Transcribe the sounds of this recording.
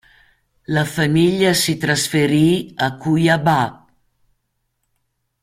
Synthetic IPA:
ləfəmiʎəsit̪ɾəsfeɾiəkujabap̚

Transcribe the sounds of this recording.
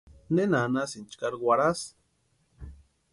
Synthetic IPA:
nenanasint͡ʃkaɾɡwʷaɾas

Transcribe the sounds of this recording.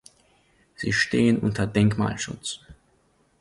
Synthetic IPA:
z̥ḭːʃteːənʔʊ̰ntʰɐdɛŋkma̰ːlʃʊ̰t͡s

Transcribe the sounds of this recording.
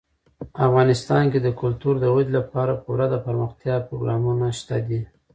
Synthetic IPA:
afɣɑnɪst̪ɑnked̪əkʊlt̪uɾd̪əɣed̪lapɑɾapəwɾad̪apəɾməxt̪jɑpɾoɡɾɑmunaʃt̪ad̪i

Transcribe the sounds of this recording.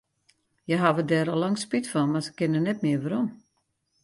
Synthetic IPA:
jəɦaʋədɛɾəlɔŋspitfɔnmasə̥kɪnənɛt̚mɪəʋaɾɔm

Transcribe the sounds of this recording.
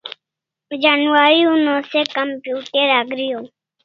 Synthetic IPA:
d͡ʒanʋaːɾiunõːseːkəmpjuːʈeɾaːɡɾɪjoː

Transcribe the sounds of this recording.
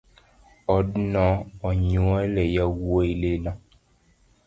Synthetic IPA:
ɔdnɔ̃ɔɲũalɛjawuoilelã

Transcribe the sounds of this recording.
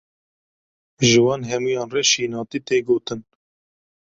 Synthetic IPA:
ʒɨwɑːnɦɛmujɑːnrɛʃiːnɑːt̪it̪eːɡoːt̪ɨn

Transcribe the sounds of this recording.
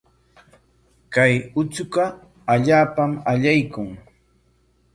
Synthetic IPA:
kajʊt͡sʊɢɑ | aʎaːpamaʎajkʊŋ

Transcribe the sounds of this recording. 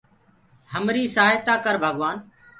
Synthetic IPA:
həmɾiːsaaːjt̪aːkəɾbʱəɠʋaːn

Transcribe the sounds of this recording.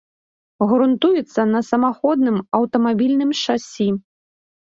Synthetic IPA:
ɣɾunt̪ujɛt̪sːɐnɐsɐmaxɔd̪̚nɨmɐwt̪ɐmabʲilʲnɨmʂasʲi

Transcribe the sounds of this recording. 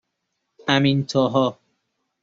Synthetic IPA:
amĩnt̪ʰɔɦɔ

